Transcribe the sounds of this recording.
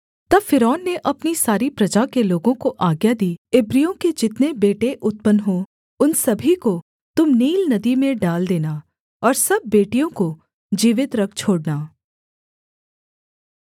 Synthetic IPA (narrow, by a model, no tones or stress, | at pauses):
t̪ɐbfɪɾɔːnːeʔɐpnisaːɾipɾɐd͡ʒakeloːɡõkoʔaːɡjad̪iːɪbɾijõked͡ʒɪt̪nebeːʈeʔʊt̪̚pənɦõ | ʊnsɐbʱiko | t̪ʊmniːlnɐd̪imẽɖaːld̪eːna | ɔːɾsɐb̚ːeːʈijõko | d͡ʒiːʋɪt̪ɾɐk̚ʰt͡ʃʰoːɽnaː